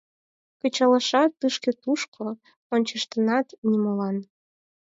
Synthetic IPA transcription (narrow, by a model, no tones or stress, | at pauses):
kə̆t͡ɕɑlɤ̆ʃɑt̪ːɨʃkĕt̪uʃkʰo | onʲt͡ɕəʃt̪ɤ̆nɑt̪nʲimolɑn